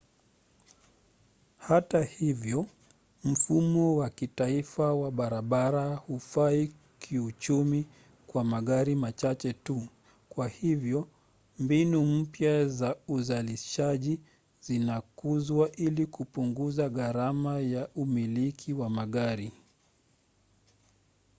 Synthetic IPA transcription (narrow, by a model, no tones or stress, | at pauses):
hatahivjɔ | m̩fumɔwakitaifawaɓaɾaɓaɾahufai | kʰiut͡ʃumi | kwamaɠaɾimat͡ʃat͡ʃɛtu | kwahivjɔ | mbinum̩pjazauzaliʃaʄi | zinakuzwaʔilikupuŋɡuzaɣaɾamajaʔumilikʰiwamaɠaɾi